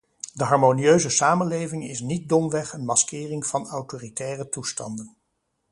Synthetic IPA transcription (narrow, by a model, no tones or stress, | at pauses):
dəɦɑɹmonijøɥzəsaːmənlejvɪŋɪsnit̚dɔmʋɛχənmɑskɪːrɪŋv̥ɑnawtoːritɛːrətustɑ̰ndən